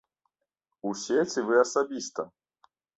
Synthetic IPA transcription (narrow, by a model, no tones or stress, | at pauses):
usʲet͡sʲivɨasabʲist̪ɐ